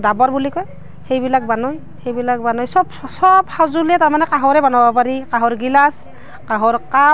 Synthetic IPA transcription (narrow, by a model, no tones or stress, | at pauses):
dabɔɹbulikɔj | hejbilak̚banɔj | hejbilak̚banɔjsɔbsɔbhazulɛtaɹmanɛkaɦɔɹɛbanɔbapaɹikaɦɔɹɡilas | kaɦɔɹka